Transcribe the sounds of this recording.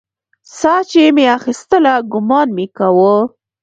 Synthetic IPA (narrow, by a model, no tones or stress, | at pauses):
sɑt͡ʃemeaxist̪əlaɡʊmɑnmekawə